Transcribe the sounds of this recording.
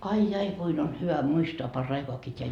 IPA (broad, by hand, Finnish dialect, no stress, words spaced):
ɑi jɑi kuin on hyʋæ muistoɑ pɑrːɑikoɑkiː tʲeæ